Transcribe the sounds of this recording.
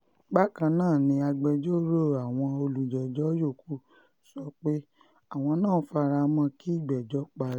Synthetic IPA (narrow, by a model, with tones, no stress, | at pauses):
ɡ͡ba˦kã˧nãː˦˨nĩ˧a˧ɡ͡bɛ˧d͡ʒo˦ɾo˦˨a˨w̃ɔ̃˧o˧lu˨d͡ʒɛ˨d͡ʒɔ˨˦jo˦˨ku˦ | sɔ˨˦k͡pe˦ | a˦˨w̃ɔ̃˧nãː˦˨˦fa˧ɾa˧mã˧˦ki˦i˦˨ɡ͡bɛ˨d͡ʒɔ˦k͡pa˧ɾ